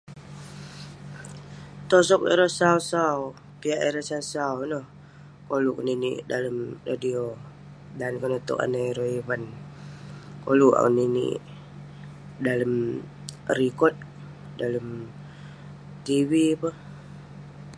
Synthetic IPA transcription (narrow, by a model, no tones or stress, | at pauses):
t̪os̬ɔk̚ḛɾosausaw | piaʔeɾasasawnɔh | kolukninḭʔdaləmradio | dankənot̪ɔ̰ʔa̰naɾoiwan | koluʔa̰uninḭʔ | daləm | rikɔt̪̚ | daləm | t̪iwipəh